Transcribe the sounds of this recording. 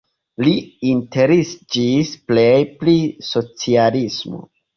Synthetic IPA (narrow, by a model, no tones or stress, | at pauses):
liinte̞ɾisd͡ʒisplejpliso̞t͡sialismo̰